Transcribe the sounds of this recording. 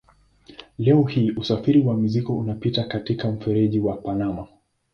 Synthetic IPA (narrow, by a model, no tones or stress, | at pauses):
lɛɔhiːʔusafiɾiwamizikɔunapitakatikam̩fɛɾɛʄiwapanama